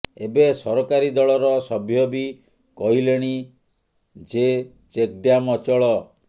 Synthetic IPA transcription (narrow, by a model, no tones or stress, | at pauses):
ebesɔɾɔkaɾid̪ɔɭɔɾɔsɔbʱjɔbi | kɔɦileɽ̃i | d͡ʒe | t͡ʃek̚ɖjamɔt͡ʃɔɭɔ